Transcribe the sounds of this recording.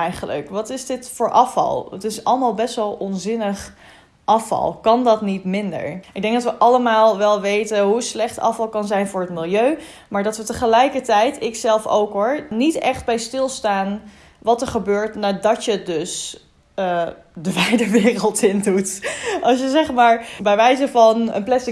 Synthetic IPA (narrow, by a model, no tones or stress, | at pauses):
ɛjχələ̰kʋɑtɪzdɪtfʊːɹʔɑfɑ̰lˠətɪsɑ̰ləmaːlˠbɛsʋɛlˠɔnzɪnəχ | ʔɑfɑ̰lˠkɑndɑtnitmɪndə̰ɹʔɪɡ̚dɛŋk̚dɑtʋəʔɑləmaːlˠʋɛlˠʋejtəɦuətslɛχtɑ̰fɑlˠkɑnzɛjnvʊːɹətmɪlˠjøɥ | maːɹdɑtʋətəχəlɛjkəɹtɛjtʰɪksɛlˠfo̰wkɦʊɹnitɛχt̚bɛjstɪlˠstaːn | ʋɑtəɹχəbøːɹtnaːdɑtjədɵs | dəʋɛjdəʋɪːrəlˠtɪndutɑlˠsjəzɛχmaːɹbɛjʋɛjzəvɑnə̰nplɛsɪ